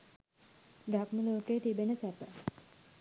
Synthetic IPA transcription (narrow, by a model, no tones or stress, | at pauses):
ɖakməloːkejːt̪ibenəsæpə